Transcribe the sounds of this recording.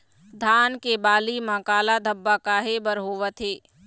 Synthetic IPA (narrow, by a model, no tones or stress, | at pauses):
d̪ʱaːnkebaːlimãkaːlad̪ʱəbːakaːɦebəɾɦoːʋət̪ɦeː